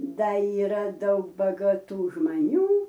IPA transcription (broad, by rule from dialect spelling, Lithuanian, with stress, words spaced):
ˈdɐ iːˈrɐ ˈdɐʊk bɐɡɐˈtuː ʒmɐˈnʲuː